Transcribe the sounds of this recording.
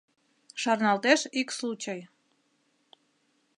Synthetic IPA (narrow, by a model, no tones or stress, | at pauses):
ʃɑrnɑlt̪eʃikslut͡ɕəj